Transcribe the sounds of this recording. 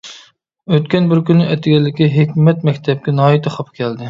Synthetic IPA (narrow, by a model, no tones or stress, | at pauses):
øt̪kʲɛnbɪɾkʲynːɪʔɛt̪ʰɪɡʲɛlːɪkʲiɦekʲmɛt̪̚mɛkʲt̪ʰɛp̚kʲɛnɑːit̪ʰɨχʰɑpkʲʰɛld̪ɪ